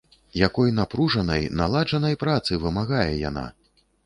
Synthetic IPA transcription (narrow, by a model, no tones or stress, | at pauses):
jakɔjnapɾuʐɐnɐjnalˠad͡ʐɐnɐjpɾat̪sɨvɨmaɣajɛja̰na̰